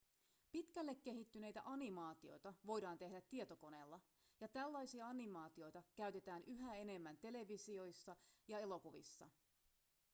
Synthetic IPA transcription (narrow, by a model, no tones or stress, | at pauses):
pit̪kælːe̞kːe̞ɦit̪ːyne̞jt̪æ̰ʔɑnimɑːt̪io̞̰jt̪ɑʋo̞jdɑːnt̪e̞ɦdæt̪ːie̞t̪o̞ko̞ne̞ːlːɑ | jɑt̪ælːɑjsiɑɑnimɑːt̪io̞jt̪ɑkæɥt̪e̞t̪æːnyɦæe̞ne̞mːænt̪e̞le̞ʋisio̞jsːɑjɑe̞lo̞kuʋḭsːɑ̰